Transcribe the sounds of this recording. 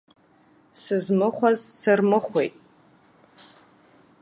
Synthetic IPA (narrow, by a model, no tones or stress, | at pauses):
sɨzmɨχʷazsɨrmɨχʷḛjtʼ